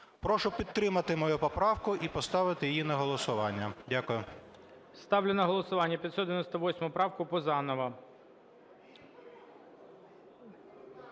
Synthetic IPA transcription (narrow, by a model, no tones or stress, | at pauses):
pɾɔʃʊpʲid̪̚t̪ɾɪmɐt̪ɪmɔjupɔpɾɑwkʊʔipɔst̪ɑʋɪt̪ɪjijinɐɦɔlˠɔsʊʋɑnʲːɐdʲakʊjʊ | st̪ɑwlʲʊnɐɦɔlˠɔsʊʋɑnʲːɐpʲt̪sɔd̪ʋʲɪnɔst̪ɐʋɔsʲmʊpɾɑwkʊpɔzɑnɔʋɐ